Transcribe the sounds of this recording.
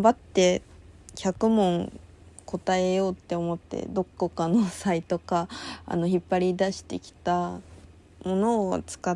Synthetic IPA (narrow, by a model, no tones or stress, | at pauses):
bat̪ːe̞kʲʰakɯ̟mõ̞ŋ | ko̞t̪ae̞jo̞ːt̪ːe̞o̞mo̞t̪ːe̞̰d̪o̞kːokanosait̪o̞ka̰ːno̞çipːaɾʲid̪aɕi̥t̪e̞kʲi̥t̪a | mo̞no̞ːa̰t͡sɨ̥ka